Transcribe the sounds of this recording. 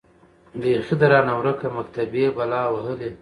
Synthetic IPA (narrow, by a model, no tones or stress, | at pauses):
bexid̪əɾɑːnawɾakamakt̪abjebalɑːwaɦəle